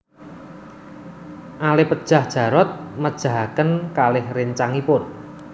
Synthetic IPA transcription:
ʔalɪpəd̥ʒ̥a̤hd̥ʒ̥a̤ɾɔt̪̚məd̥ʒ̥a̤ɦakənkalɪhrɪɲt͡ʃaŋipʊn

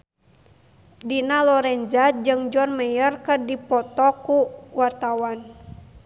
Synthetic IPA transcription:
dinalɔɾɛnd͡ʒad͡ʒɨŋd͡ʒɔnmɛjərkərdipɔt̪ɔkuwart̪awan

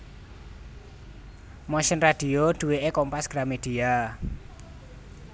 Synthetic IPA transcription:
mɔʃənrad̪̥iod̪̥ṳweʔekɔmpasɡ̥ɾamed̪̥ia

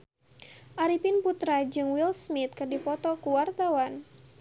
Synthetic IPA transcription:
ʔaɾipinput̪ɾad͡ʒɨŋwilsmit̪̚kɨrdipɔt̪ɔkuwart̪awan

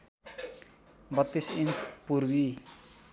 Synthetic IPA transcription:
bʌt̪ːisint͡spuɾbi

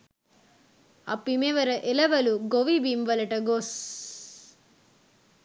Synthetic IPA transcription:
ɐ̰pːimeʋɐɾɐʔelɐʋɐluɡoʋibiːmʋɐlɐʈɐɡoːs

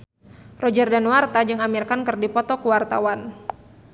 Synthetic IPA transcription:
rɔd͡ʒərdanwart̪ad͡ʒɨŋamirkankɨrdipɔt̪ɔkuwart̪a̰wan

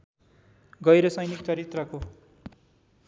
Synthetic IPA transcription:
ɡʌjɾʌsʌjnik̚t͡sʌɾit̪rʌko

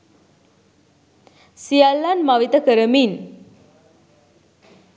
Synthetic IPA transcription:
sialːanmaʋit̪əkəɾəmin

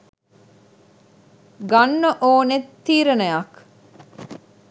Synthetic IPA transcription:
ɡɐnːəʔoːnet̪ːiːɾɐnɐjɐk

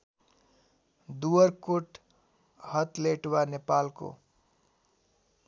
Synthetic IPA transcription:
d̪uwʌrkoʈ | hʌt̪leʈwanepalko̰

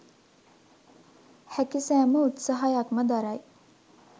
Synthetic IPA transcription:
hækisæːməut̪sɐɦajakməd̪aɾaj

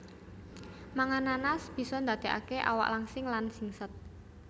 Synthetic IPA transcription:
maŋananasb̥i̤sɔnd̪a̤d̪̥e̤ʔa̰keʔa̰wa̰ʔlaŋsɪŋlansiŋsət̪̚

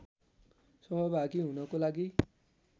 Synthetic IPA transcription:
sɔbɔbakiɦũnɔkolaɡi

